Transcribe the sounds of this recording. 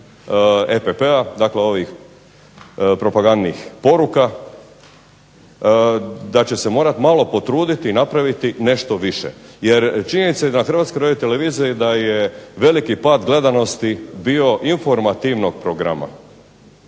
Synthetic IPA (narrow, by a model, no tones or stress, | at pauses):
epepead̪akleo̞ʋix | pɾo̞paɡand̪nixpo̞ɾuka | d̪at͡ɕe̞se̞mo̞ːɾat̪malo̞po̞t̪ɾuːd̪it̪iːnapɾaʋit̪ine̞ʃt̪o̞ʋiʃḛjeɾt͡ʃiɲenit̪sejed̪anaxɾr̩ʋat̪skoɾadjojt̪eleʋiːziid̪ajeʋe̞likipaːd̪ɡle̞d̪ano̞st̪ibio̞ʔinfo̞ɾmat̪iʋno̞ɡ̚pɾoɡɾa̰ma̰